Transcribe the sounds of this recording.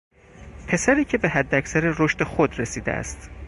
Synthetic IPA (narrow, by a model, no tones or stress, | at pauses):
pʰe̞sæɾiːcʰe̞be̞ɦæd̪ːæcsæɾeɾoʃt̪e̞xod̪ɾe̞siːd̪ḛʔæ̰st̪